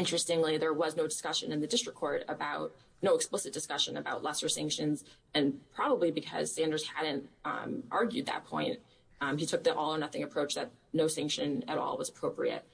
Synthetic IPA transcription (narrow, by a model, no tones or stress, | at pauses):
ɪ̃nt͡ʃɹ̥ɨstɪ̃ŋliðə˞wʌznoʊdɨskʌʃɨ̃nɨ̃nðɨdɪstɹ̥əkʰːɔɹɾəbaʊt̚ | noʊksplɪsɨt̚d̥ɨskʌʃɨ̃nɨbaʊtˡlʌsə˞sæ̃ŋkʃɨ̃nz | ɨ̃npʰɹ̥ɑbəblibɨkʰʌ̰z̥sæ̃ndə˞z̥hædⁿn̩tmʔɑɹɡjʉd̪̚ðɨ̰t̚pʰɔ̰̃ɪ̃nt̚ | itʰʊk̚ðiʔɔlˠə˞nʌθɪ̃ŋɨpʰɹ̥oʊt͡ʃðɨt̚noʊsæ̃ŋkʃɨ̃nɨ̰ɾɔ̰lˠwʌzəpʰɹ̥oʊpɹḭɨ̰t̚